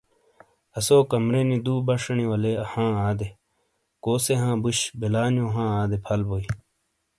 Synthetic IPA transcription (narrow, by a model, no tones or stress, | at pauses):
ɐsoːkɐmɾenid̪uːbɐʂɐniwɐleɐhãːaːd̪e | koːseɦãːbuɕbelaːnjõːɦãːaːd̪epʰɐlboi